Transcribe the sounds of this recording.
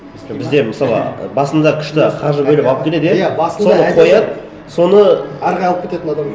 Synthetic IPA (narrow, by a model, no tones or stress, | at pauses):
bɪzd̪e̞məsɑlˠə̰bɑsənd̪ɑkʲʰʏ̥ʃt̪ɪqʰɑʒəbɵlɪpɑlˠəpkʲʰle̞d̪jejæso̞nəqʰo̞jɑd̪ | so̞nəæɾʁɑjɑlˠəp̚kʰet̪e̞t̪ɪnɑd̪